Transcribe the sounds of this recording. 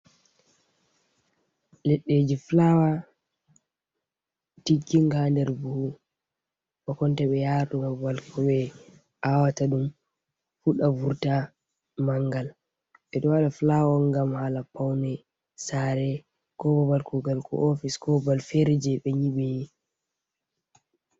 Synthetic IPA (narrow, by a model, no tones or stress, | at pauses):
lɛɗːeːd͡ʒiflawa | tikːiŋɡandɛɾbuhu | ɓɔkɔntaɓɛjaɾɗumɔbalkʰɔɓɛ | ʔawataɗum | fuɗavuɾta | maŋɡal | ɓɛɗɔwaɗaflawɔŋɡamhalapawnɛ | saɾɛ | kɔbabalkɔɡalkɔ̰ʔofiskɔbalfɛɾd͡ʒɛɓɛɲiɓɛj